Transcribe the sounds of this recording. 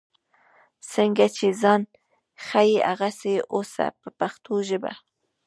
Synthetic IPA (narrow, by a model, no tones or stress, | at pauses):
səŋɡat͡ʃezɑn | xajeʔa̰ɣaseʔosa̰pəpaxt̪ʰoʒəba̰